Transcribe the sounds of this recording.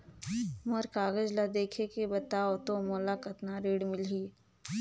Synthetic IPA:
moɾkaːɡəd͡ʒlad̪eːkʰekebɐt̪aːot̪omoːlakɐt̪naɾeːɽmɪlɦiː

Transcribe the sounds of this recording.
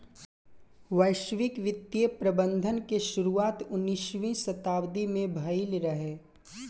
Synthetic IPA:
ʋəɪʃʋɪkʋɪt̪ːjəpɾɐbə̃nd̪ʱənkeʃʊɾuaːt̪ʊnːɪʃʋĩsɐt̪aːwd̪imẽbʱɐɪlɾɐɦeː

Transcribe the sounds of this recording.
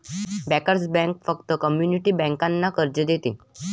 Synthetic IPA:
bɛkəɾd͡zbɛ̃ŋkfəkt̪əkəmjuniʈiːbɛ̃ŋkanːakəɾd͡ʑəd̪et̪ḭ

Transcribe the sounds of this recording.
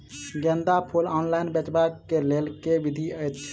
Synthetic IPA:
ɡɛ̃nd̪apʰolɔnlajnbɛt͡ʃbakːelelkebid̪ʱiəjt̪t͡ʃʰ

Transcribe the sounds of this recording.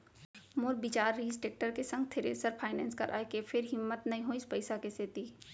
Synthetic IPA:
moɾbɪt͡ʃaːɾːiːsʈeːk̚ʈəɾkesɐ̃ŋɡ̚t̪ʰeɾḛːsəɾpʰaːɪnɛ̰̃ːnskɐ̰ɾʔa̰ːekepʰɪɾɦɪmːət̪nɐĩɦoɪspəɪsakeseːt̪iː

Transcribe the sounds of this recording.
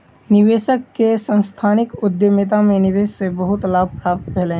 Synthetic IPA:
nɪʋeːʃəkːesə̃nst̪ʰaːnɪkʊd̪jəmɪt̪̬amẽnɪʋeːsːebəɦʊt̪laːb̚ʱpɾaːp̚t̪beːlẽ

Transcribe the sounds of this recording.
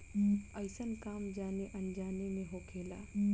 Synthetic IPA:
əɪsənkaːmd͡ʒaːneʔənd͡ʒaːnemẽɦokʰeːla̰ː

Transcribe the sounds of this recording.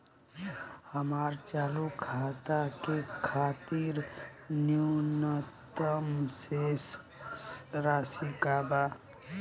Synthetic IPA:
həmaːɾt͡ʃaːlukʰaːt̪akekʰaːt̪iɾ | njunət̪əmses | sɾaːsikaːba

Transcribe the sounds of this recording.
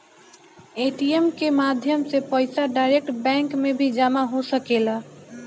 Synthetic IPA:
eʈiemkemad̪ʱjəmsepəɪsaɖaɪɾek̚ʈbɛ̃ŋkmebʱid͡ʒamaɦosəkel

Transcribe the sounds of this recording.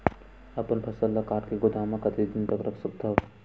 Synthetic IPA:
ɐpənpʰɐsəlːɐkaːɾkeɡʊd̪ʱaːmãkɐt̪id̪ɪnt̪ɐkɾɐksɐk̚d̪ʱɐʋ

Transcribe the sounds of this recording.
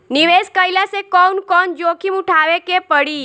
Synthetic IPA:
niʋeskəjlasekɔnkɔnd͡ʒokʰimuʈʰaʋekepəɽi

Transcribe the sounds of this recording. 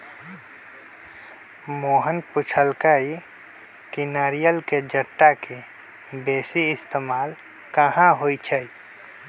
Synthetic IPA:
moːɦənpʊt͡ʃʰəlkai | kɪnaːɾijəlked͡ʒəʈːake | beːsiɪst̪eːmaːl | kəhãɦoːit͡ʃʰəi

